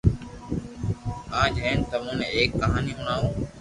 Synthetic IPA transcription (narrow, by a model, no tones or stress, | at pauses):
ãːd͡ʒʱeːnt̪əmũːneːeːkːəɦaːniːɦʊɳaːɦũː